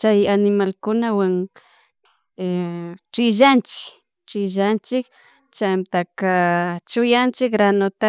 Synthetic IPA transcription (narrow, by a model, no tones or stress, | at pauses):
t͡ʃajanɪmalkʊnawaŋ | ʈ͡ʂɪʒant͡ʃɪ̥k | ʈ͡ʂɪʒant͡ʃɪk | t͡ʃamt̪akat͡ʃʊjant͡ʃɪkɾanot̪a